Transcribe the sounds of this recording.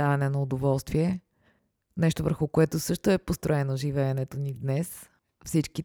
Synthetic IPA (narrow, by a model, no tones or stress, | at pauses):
avɐnɛnɐʊd̪ovɔlˠst̪viɛ | nɛʃt̪ovə̰ɾxʊkoɛt̪ʊsɤʃt̪oɛpost̪ɾoɛnoʒivɛːnɛt̪onid̪nɛs | fsit͡ʃki